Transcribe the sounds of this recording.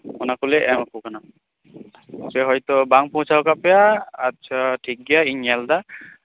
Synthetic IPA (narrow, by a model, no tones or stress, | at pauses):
ɔnakulɛʔɛmakukana | sʰɛɦɔjt̪ɔbaŋpɔ̃sʰaɦɔkapɛjaːtːt͡ʃʰatʰik̚ɡijaiɲɛld̪a